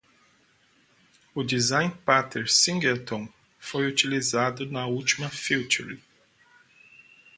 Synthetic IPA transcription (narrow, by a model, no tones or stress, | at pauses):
ʊd͡ʒizãj̃npat̪eɾsĩŋɡelt̪õ | fojut͡ʃilizad̪ʊnɐut͡ʃimɐfiwt͡ʃuɾi